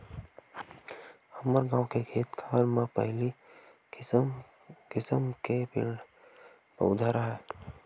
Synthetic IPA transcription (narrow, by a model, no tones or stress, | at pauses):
əməɾɡãːwkekʰeːt̪kʰaːlmãpəɦɪli | kɪsəmkepɪ̰ɖ | pə̰ʊd̪ʱaɾaɦɛː